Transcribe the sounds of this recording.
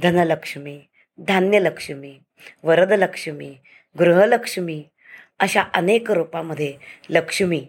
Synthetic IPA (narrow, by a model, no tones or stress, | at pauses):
d̪ʱənələkʂmiː | d̪ʱanjələkʂəmiː | ʋəɾəd̪ələkʂəmiː | ɡɾuɦələkʂmiː | əɕaʔənekɾupaməd̪ʱjeləkʂmiː